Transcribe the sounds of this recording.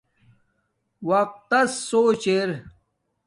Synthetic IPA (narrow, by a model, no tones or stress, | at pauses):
wɐq̚t̪ːɐsːoːt͡ɕeɾ